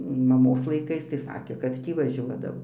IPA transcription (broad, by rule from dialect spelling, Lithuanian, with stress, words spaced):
mɐˈmoːs lˠɐɪˈkɐɪs tɐɪ ˈsɑːkʲeː kɐt ˈtʲiː ʋɐˈʒʲuɔdɐʋoː